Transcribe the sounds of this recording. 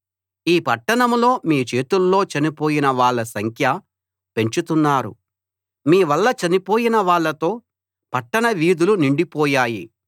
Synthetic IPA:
iːpɐʈːɐɳɐmlo̞ːmiːt͡ʃe̞ːt̪ulːo̞ːt͡ʃɐnipoːjinɐʋaːɭːɐsɐŋkʰjɐ | pe̞ɲt͡ʃut̪unːaːɾṵ | miːʋɐlːɐt͡ʃɐnipoːjinɐʋaːɭːɐt̪o̞ː | pɐʈːɐɳɐʋiːd̪uluniɳɖipɔːjaːji

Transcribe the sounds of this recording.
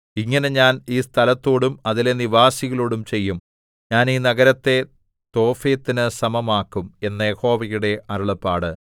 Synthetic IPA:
iŋːɐne̞ɲaːniːst̪ʰɐlɐt̪ːo̞ːɽumɐðile̞niʋaːsiɣɐɭoːɽumt͡ɕe̞jːum | ɲaːniːnɐɡɐɾɐt̪ːe̞ | t̪o̞ːfeːt̪ːinɨsɐmɐmaːkːume̞nːɐjeho̞ːʋɐjuɽe̞ʔɐɾuɭɐpːaːɽɨ

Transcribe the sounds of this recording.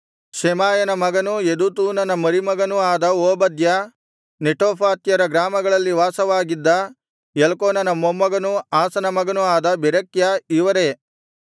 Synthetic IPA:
ʃɛmaːjɐnɐmɐɡɐnujed̪ut̪uːnɐnɐmɐɾimɐɡɐnuaːd̪ɐoːbɐd̪jɐ | neʈoːpʰaːt̪jɐɾɐɡɾaːmɐɡɐɭɐlːiʋaːsɐʋaːɡid̪ːɐ | jelɐkoːnɐnɐmːomːɐɡɐnuaːsɐnɐmɐɡɐnuaːd̪ɐbɛɾɐkjɐiʋɐɾe

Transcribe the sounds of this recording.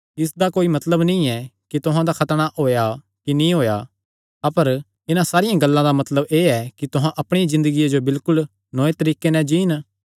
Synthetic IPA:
ɪsd̪akoːimɐt̪ləbnĩɛkit̪ʊɦãd̪akʰɐt̪əɽ̃aʔoːja | kinĩɦoːja | ɐpəɾ | ɪnãsaːɾɪjãɡɐlːãd̪amɐt̪ləbeːɛkit̪ʊɦãʔɐpɽ̃eizɪ̃nd̪əɡijed͡ʒobɪlkʊl | nɔːet̪ɐɾiːkenɛ̃d͡ʒiːn

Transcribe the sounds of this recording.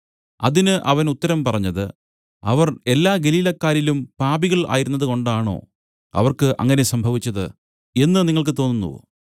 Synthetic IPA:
ɐðinɨʔɐʋɐnut̪ːɐɾɐmpɐrɐɲːɐðɨ | ɐʋɐre̞lːaːɡe̞liːlɐkːaːɾilumpaːbiɣɐɭʔa̰ːjiɾunːɐðɨko̞ɳɖaːɳo̞̰ː | ɐ̰ʋɐrkɨʔɐ̰ŋːɐne̞sɐmbʱɐʋit͡ɕːɐðɨ̰ | e̞nːɨniŋːɐɭk̬ɨt̪o̞ːnːunːṵ

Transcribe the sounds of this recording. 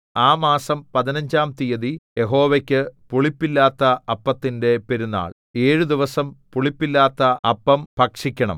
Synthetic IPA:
aːmaːsɐmpɐðinɐɲd͡ʑaːmt̪ijɐðije̞ɦo̞ːʋekʲːɨpuɭipːilːaːt̪ːɐɐpːɐt̪ːinde̞pe̞ɾunːa̰ːɭ | e̞ːɻud̪iʋɐsɐmpuɭipːilːaːt̪ːɐɐpːɐmpɐkʂikʲːɐɳɐ̰m

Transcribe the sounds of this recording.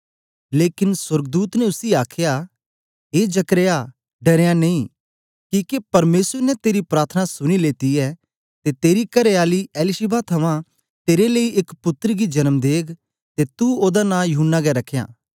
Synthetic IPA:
leːkɪnswɐɾɡd̪uːt̪nɛʊsiaːkʰja | ɦeːd͡ʒɐkɾea | ɖɐɾejãnɐĩː | kiːkepɐɾmeːswəɾnɛt̪eːɾipɾaːt̪ʰənasʊɽ̃ileːt̪iɛː | t̪et̪eːɾikɐɾeaːliɛːlɪʃɪbat̪ʰɐʋã | t̪eːɾeleiʔɪkpʊt̪ːəɾɡid͡ʒɐnəmd̪eːkʰ | t̪et̪uoːd̪anãːjʊɦʊnːaɡɛɾɐkʰeja̰ː

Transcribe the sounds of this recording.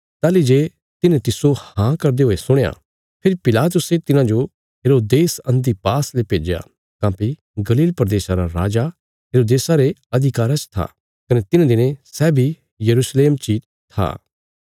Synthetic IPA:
t̪aːlid͡ʒeː | t̪ɪnẽt̪ɪsohãkɐɾd̪eɦoːesʊɽ̃ja̰ | pʰɪɾipɪlaːt̪̬ʊset̪ɪnãd͡ʒo | ɦeːɾoːd̪eːsɐ̃nd̪ipaːslepeːd͡ʒeja̰ | kãːpi | ɡɐliːlpɾəd̪eːsaɾaɾaːd͡ʒa | ɦeːɾoːd̪eːsaɾeɐd̪ʱɪkaːɾat͡ʃt̪ʰa̰ | kɐnet̪ɪnãd̪ɪnẽsɛːbʱi | jɐɾuːsleːmt͡ʃiːt̪ | t̪ʰːa̰ː

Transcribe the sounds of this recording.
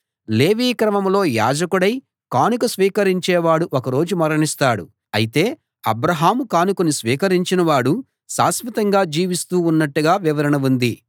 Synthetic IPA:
le̞ːʋiːkɾɐmɐmlo̞ːja̰ːd͡ʒɐkuɽɐj | kaːnukusʋiːkɐɾiɲt͡ʃɛːʋaːɽuʔokɐɾo̞ːd͡ʒumɐɾɐɳist̪aːɽṵ | ɐ̰jit̪e̞ː | ɐbɾɐɦaːmukaːnukunisʋiːkɐɾiɲt͡ʃinɐʋaːɽu | sa̰ːsmɐt̪ɐŋɡaːd͡ʒiːʋist̪uːunːɐʈːuɡaːʋiʋɐɾɐɳɐʋund̪i

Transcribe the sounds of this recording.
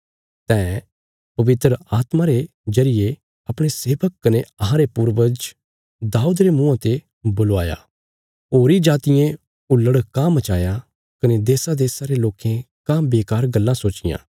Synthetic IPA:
t̪ɛ̃ː | pɐʋɪt̪ɾəaːt̪maɾe | d͡ʒɐɾɪje | ɐpɽ̃eseːʋəkkɐneɐɦãɾepʊɾʋəd͡ʒ | d̪aːuːd̪ɾemũːãt̪e | bʊlaːja̰ | oːɾid͡ʒaːt̪ɪjẽ | ʊlːəɽkãmɐt͡ʃaːja | kɐned̪eːsad̪eːsaɾeloːkʰẽ | kãbeːkaːɾɡɐlːãsoːt͡ʃɪjã̰ː

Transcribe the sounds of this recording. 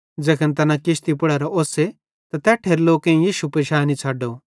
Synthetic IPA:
d͡ʒɐkʰənt̪ɐnãkɪʃt̪ipɐɽɐɾaʔoːse | t̪at̪ɛʈʰeːɾloːkẽjiːʃupɾɪʃaːnit͡sʰaːɖoː

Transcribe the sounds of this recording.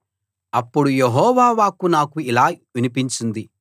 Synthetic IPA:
ɐpːuɽujeɦɔːʋaːʋaːkunaːkuilaːʋinipiɲt͡ʃind̪i

